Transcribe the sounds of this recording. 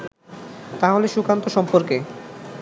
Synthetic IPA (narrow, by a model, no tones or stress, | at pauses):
t̪aɦoleʃukant̪oʃɔmpoɾke